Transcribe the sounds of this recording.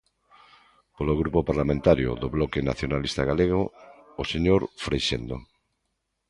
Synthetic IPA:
poloɣɾupopaɾlamẽnt̪aɾjo̰ðoβlɔkena̰θjonalist̪aɣaleɣ̞oːseɲoɾfɾejʃend̪o̰

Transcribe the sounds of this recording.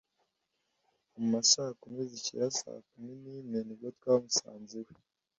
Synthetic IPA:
mumasahkumizicḭjasa̰ːkumininenib̚ɡot̪kwaːmusa̰ːnziwe

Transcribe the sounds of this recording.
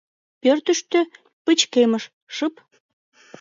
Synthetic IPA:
pørt̪əʃt̪ø | pət͡ɕkeməʃ | ʃəp

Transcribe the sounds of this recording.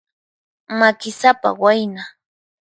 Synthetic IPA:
makɪsapa̰wajna

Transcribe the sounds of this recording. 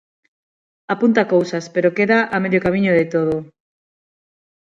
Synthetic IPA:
apunt̪akowsaspeɾokeðaʔameðokamiɲoðet̪oðo

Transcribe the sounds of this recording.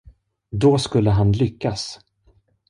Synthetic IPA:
d̪ɔskɵlːəɦanlʏkːas

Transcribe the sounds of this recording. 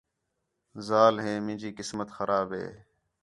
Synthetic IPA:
zaːlɦeːmɪ̃ːd͡ʒiːkɪsmət̪xəɾʔaːbɦḛː

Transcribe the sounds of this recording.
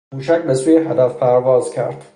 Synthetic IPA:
uʃ̬akbasujeɦad̪afpʰæɾvɒːzkʲʰæ̰ɾd̪̥

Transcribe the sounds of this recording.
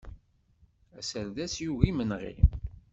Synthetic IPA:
æsəɾðæsjuɣimənʁḭ

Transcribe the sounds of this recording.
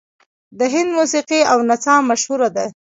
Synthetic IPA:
d̪əɦɪnd̪musiqiawnat͡sɑmaʃhuɾad̪a

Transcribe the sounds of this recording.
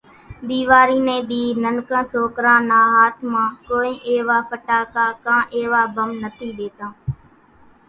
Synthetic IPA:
ɗ̪iːʋaːɾiːnẽːɗ̪iːnənkãːsoːkɾãːnãːɦaːt̪ʰmãːkoːĩːʔeːʋaːpʰəʈaːkaːkãːʔeːʋaːbəmnət̪ʰiːɗeːt̪ãː

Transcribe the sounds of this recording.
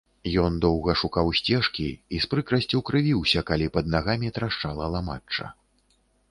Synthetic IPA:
jɔnd̪ɔwɣɐʂukawsʲt͡sʲɛʂkʲiispɾɨkɾɐsʲt͡sʲuwkɾɨvʲiwsʲɐkalʲipɐd̪̚naɣamʲit̪ɾaʂt͡ʂalˠɐlˠamat͡ʂːɐ̰

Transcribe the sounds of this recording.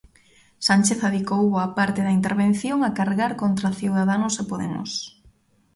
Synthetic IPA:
sant͡ʃeθaðikowapaɾt̪eðɐint̪eɾβen̟θjoŋakaɾɣaɾkont̪ɾaθiwðaðanʊsepoðḛmʊ̰s

